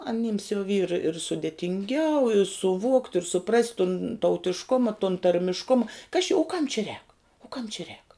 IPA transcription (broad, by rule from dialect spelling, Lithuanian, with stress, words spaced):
ɐˈnʲɪms jɛʊ ʋʲiːr ɪr sʊdʲeːtʲɪŋʲˈɡʲɛʊ sʊˈʋoːktʲ ɪr sʊˈprɐsʲtʲ tʊn tɐʊtʲɪʃˈkʊmɐ tʊn tɐrʲmʲɪʃˈkʊmɐ kɐs t͡ʃʲɪ ʊ kɐm t͡ʃʲɪ rʲɛːk ʊ kɐm t͡ʃʲɪ rʲɛːk